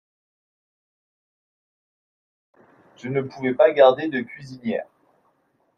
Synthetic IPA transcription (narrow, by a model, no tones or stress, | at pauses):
ʒ̥ənəpuvɛpaɡaʁd̪ed̪əkʲɥizinjɛ̰ːʁ